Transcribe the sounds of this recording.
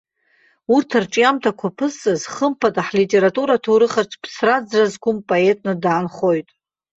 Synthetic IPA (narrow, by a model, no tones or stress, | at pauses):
urtʰarʈ͡ʂʼjamtʰakʷʰapʰɨsʼɨzχəmpʰadʼaħlitʼe̞ɾatʼuɾatʰoɾɨχarʈ͡ʂʰpʰsrad͡zrazkʷʰʊmpʼoe̞tʼnɨdaːnχo̞jtʼ